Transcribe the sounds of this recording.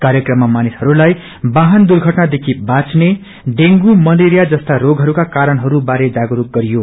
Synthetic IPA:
kaɾjʌkrʌmːamanishʌɾulaj | baɦʌnd̪urɡʱʌʈnad̪ekʰibat͡sne | ɖeŋɡumʌleɾijad͡zʌst̪aɾoɡʱɦʌɾukakaɾʌnɦʌɾubaɾed͡zaɡuɾuk̚ɡʌɾijo

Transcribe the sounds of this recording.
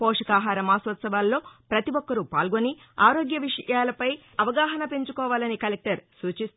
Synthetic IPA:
pɔːʂɐkaːɦaːɾɐmaːsʋɐt̪sɐʋaːlːo̞ːpɾɐt̪iʋɔkːɐɾupa̰ːlɡoni | aːɾoːɡjɐʋiʂɐ̰jaːlɐpɐj | ɐʋɐɡaːɦɐnɐpe̞ɲt͡ʃukɔːʋaːlɐnikɐlek̚ʈɐɾsuːt͡ʃis

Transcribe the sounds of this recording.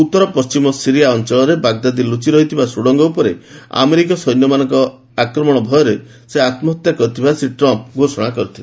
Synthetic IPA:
ut̪ːɔɾɔpɔst͡ʃimɔsiɾiaɔnt͡ʃɔɭɔɾebaɡd̪ad̪ilut͡ʃiɾɔɦit̪ʰibasuɽɔŋɡɔupɔɾea̰meɾik̬ɔsɔjnjɔmanɔŋkɔ | akɾɔmɔɽ̃ɔbʱɔjɔɾe | seat̪mɔt̪jakɔɾut̪ʰibasɾiʈɾɔmp̚ɡʱosɔɽ̃akɔɾit̪ʰila

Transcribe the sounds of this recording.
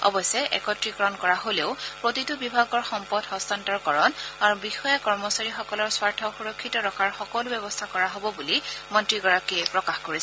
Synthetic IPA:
ɔ̰bɔsɛʔɛ̰kɔtɹikɔɹɔnkɔɹaɦoleʊpɹotitʊbibʱaɡɔɹxɔmpɔdhɔstantɔɹkɔɹɔnaɹubixɔjakɔɹmɔsaɹixɔkɔlɔɹswaɹtʰɔxuɹɔkʰːitɔɹɔkʰaɹxɔkɔlʊbɛbɔstʰakɔɹaɦobɔbulimɔntɹiɡɔɹakiɛpɹɔkaxkoɹis

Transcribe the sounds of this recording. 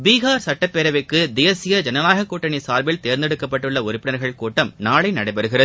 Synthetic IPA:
biːɣaːɾsɐʈːɐpːeɾɐʋɪkːɯd̪ejɐsɪjɐd͡ʒɐnɐnaːɣɐkːuːʈːɐɳisaːɾbɪlt̪eːɾnd̪ɛɽɯkːɐpːɐʈːɯɭːɐʊɾɪpːɪɽnɐɾɣɐɭkuːʈːɐmnaːɭɐɪnɐɽɐɪpɐɾɯɣɪrɐð

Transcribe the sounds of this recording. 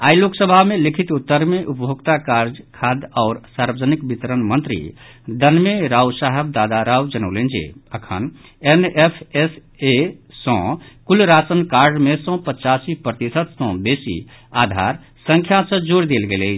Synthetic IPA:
ajloksəbʱamelikʰit̪ut̪ːəɾmeʔupbʱoɡt̪akaɾd͡ʒkʰad̪aʊɾsaɾbəd͡ʒənikbit̪ɾənmənt̪ɾḭd̪ənmeɾawsaɦeb̚d̪ad̪aɾaud͡ʒənəʊlend͡ʒḛəkʰə̰n | enepʰes | esɔ̃kulɾat͡ʃənkaɾɖmesɔ̃pət͡ʃasipɾət̪isət̪sɔ̃besḭ | ad̪ʱa̰ɾ | sə̃ŋkʰjasə̃d͡ʒoɾd̪elɡeleɪt͡ʃʰ

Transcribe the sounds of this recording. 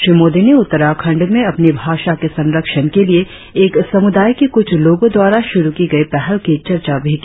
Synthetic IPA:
ʃɾiːmoːd̪ineʊt̪ːəɾakʰɐ̃ɳɖmẽɐpnibʱaːʃakesɐ̃nɾəkʃənkelie | eːksɐmʊd̪aːjkekʊt͡ʃʰloːɡõd̪waːɾaʃʊɾukiɡɐipɛɦɛlkit͡ʃɐɾt͡ʃabʱik

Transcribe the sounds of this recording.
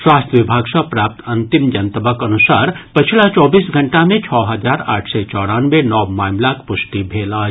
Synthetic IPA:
swaːst̪jəʋɪbʱaːɡsɐ̃pɾaːp̚t̪ɐnt̪imd͡ʒɐnt̪əbəkɐnusaːɾpɐt͡ʃʰilat͡ʃɔːbiːsɡʱɐɳʈamẽt͡ʃʰɔːɦɐd͡ʒaːɾa̰ːʈʰset͡ʃɔːɽaːnʋenɔːmaːmlakpʊsʈ̪ibʱeːlaː

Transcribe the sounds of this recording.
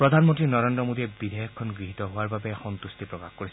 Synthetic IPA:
pɹɔd̪ʱanmɔntɹinɔɹendɹɔmod̪iɛbid̪ʱejɔkʰːɔnɡɹiɦit̪ɔɦowaɹbabɛxɔnt̪ust̪ipɹɔkaxkoɹis

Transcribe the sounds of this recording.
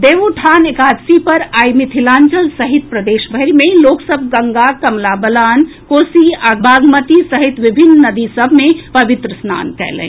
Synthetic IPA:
d̪eːʋoʈʰaːnekaːd̪sipɐɾaːjmɪt̪ʰilaːnt͡ʃəlsəɦit̪̚pɾəd̪eːʃbʱəɾimẽloːksəbʱɡəŋɡakɐmlabəlaːnkoːsiaɡbʱaːɡmət̪isəɦit̪ʋɪbʱɪnːnəd̪isəbʱmẽpəʋɪt̪ɾəsna̰ːnkɛ̰lɛ̰̃

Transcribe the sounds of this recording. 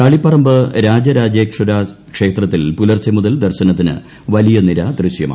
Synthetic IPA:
kaːɭipːɐrɐmbɨɾaːd͡ʑɐɾaːd͡ʑeːkʂɐɾakʂe̞ːt̪rɐt̪ːilpulɐrt͡ɕɐmuðɐld̪ɐrɕɐnɐt̪ːinɨ̰ | ʋɐlijɐniɾɐd̪rɨɕjɐma̰ː

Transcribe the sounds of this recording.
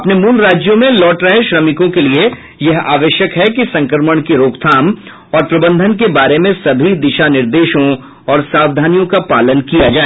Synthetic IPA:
ɐpnemuːlɾaːd͡ʒjomẽlɔːʈɾɛɦɛʃɾɐmɪkõkelie | jɐɦa̰ːʋəʃjəkɦɛkisɐ̃ŋkəɾməɽ̃kiɾoːkt̪ʰaːm | ɔːɾpɾɐbə̃nd̪ʱənkebaːɾemẽsɐbʱid̪ɪʃanɪɾd̪eːʃõ | ɔːɾsaːʋd̪ʱaːnijõkapaːlənkijad͡ʒaːe

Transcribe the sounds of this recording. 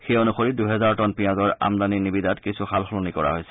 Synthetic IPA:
xejonuxoɹiduɦɛzaɹtɔnpijãzɔɹa̰mdaninibidatkisʰuxʰalxɔlɔnikɔɹa̰ɦojsɛ̥

